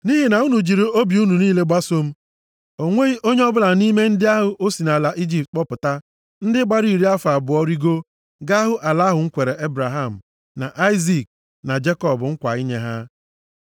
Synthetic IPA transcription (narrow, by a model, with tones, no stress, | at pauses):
ni˦ɦi˨na˨u˦nu˨d͡ʒi˨ɾi˨o˦bi˨u˦nu˨niː˦le˦ɡ͡ba˦so˦m̩˦ | o˨ŋʷe˦i˦ʔo˦ɲe˦ɔ˦bʊ˦la˨ni˦me˦n̩˦dɪ˦a˦ɦʊ˦ʔo˦si˨na˨la˨ʔi˦d͡ʒi˨p̚t̚k͡pɔ˦pʊ˨ta˦ | n̩˦dɪ˦ɡ͡ba˦ɾi˦˨ɾi˦a˦fa˨bʊ˨ɔ˦ɾi˦ɡo˦ | ɡa˦ɦʊ˦ʔa˨la˦ɦʊ˨ŋ̩˦kʷe˨ɾe˨ʔe˦bɾa˨ɦa˦˨m̩˨ | na̰˨ʔa˦ɪ˦zi˨k̚ | na˨d͡ʒe˦kɔ˦˨bʊ˨ŋ̩˦kʷa̰˨i˦ɲe˦ɦa˦